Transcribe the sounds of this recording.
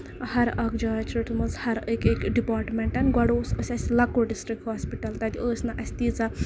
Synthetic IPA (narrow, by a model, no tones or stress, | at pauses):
hɐɾɐkd͡ʒaːt͡ʃʰɾɐʈ̪umɐzhɐɾəkekɖipaːɾʈmʲeɳʈɐnɡwɐɽoːsəsʲɐsʲlɐkːoɖisʈɾik̚ʈhaːspiʈɐlt̪ɐt̪d̪ʲiəːsʲnɐʔɐsʲt̪it͡sɐ